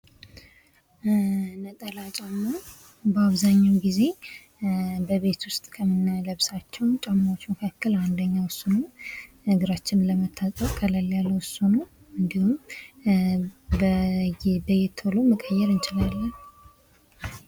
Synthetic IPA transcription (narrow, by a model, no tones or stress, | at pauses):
nət̪ʼəlat͡ʃʼamːo | bəaβzaɲːawɡize̞ | bəβe̞t̪wʊst̪ʼkʰəmɨnːaləβsat͡ʃːɛwt͡ʃʼamːawot͡ʃːməkʰakːəland̪əɲːawʊsunə | ɨɡɨɾat͡ʃːɪnləmət̪ʰːat̪ʼəfʼkʰʼələlːjalːəwʊsunow | ɨnd̪ihum | bə | bəjɛt̪ʰːoloməkʼəjːɛɾɨnt͡ʃʼɪlalːən